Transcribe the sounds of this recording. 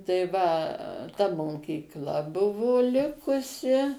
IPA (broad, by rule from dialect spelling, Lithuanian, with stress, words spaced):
tɐɪ ʋɐ tɐ moːkʲiːkˈlˠɐ ˈbʊʋoː ˈlʲɪkʊsʲɪ